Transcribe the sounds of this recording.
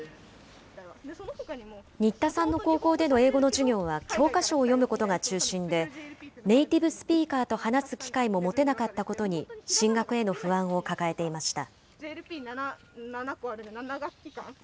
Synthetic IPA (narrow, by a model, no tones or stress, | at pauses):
hokai | ɲ̟it̪ːasãnːo̞ko̞ːko̞ːd̪e̞no̞e̞ːɡo̞no̞ʑiɲʲo̞ːβ̞akʲʰo̞ːkaɕo̞ːjo̞mɯ̟ko̞t̪o̞ɡat͡ɕɨːɕĩnd̪e̞ne̞it̪ʲibɯ̟sɨ̥pʲiːkaːt̪o̞hanasɨkʲi̥kaimo̞mo̞t̪e̞nakat̪ːako̞t̪o̞ɲ̟iɕĩŋɡakɯ̟e̞no̞ɸɯ̟βãɰ̃o̞kakae̞t̪e̞imaɕi̥t̪a̰ | ɾʲna | nanakoaɾɯnaɡakʲiã